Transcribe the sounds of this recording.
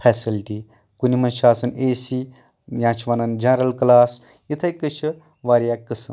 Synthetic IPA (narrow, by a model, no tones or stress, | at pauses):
pʰɛːsilʈi | kunimɐnʃaːsɐneːsi | jãːt͡ʃʰʋɐnɐnd͡ʒɐnɾɐlklaːs | jit̪ʰɐjkɨt͡ʃʰɨ | ʋaːɾjakɨsɨn